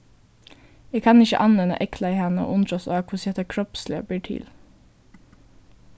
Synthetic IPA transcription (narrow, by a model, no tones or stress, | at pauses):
eːkʰɑnɪçə̰ʔɑnʋɛnə̰ʔɛkʰlɑiːhɛnəo̰ːʔʊnd̪ɾɔsɑːkʰʊsɛt̪ɑkʰɾɔpslɪə̰biːʈʰɪ̰l